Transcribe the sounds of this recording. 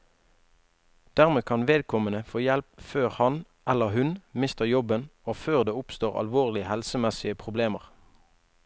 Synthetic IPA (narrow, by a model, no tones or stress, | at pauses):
d̪̥æʁmeːkʰɑnʋeːd̪kʰɔmənəfoːjɛlp̚føːʁhɑn | ʔæləhʉnmɪst̪əjɔbənoːføːʁd̪eːʊpst̪oːʁɑ̰lʋoːʁlɪəhɛlsəmɛsɪəpʰʁʊbleːməʁ